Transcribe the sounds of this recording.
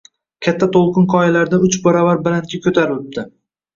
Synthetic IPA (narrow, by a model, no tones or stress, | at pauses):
kʲʰat̪ʰːat̪ʰolˠqʰɨnqʰɒjalaɾd̪aʊt͡ʃbɒɾavaɾbɪlant̪kʲakʲʰɵt̪ʰaɾɪlɪp̚d̪ɪ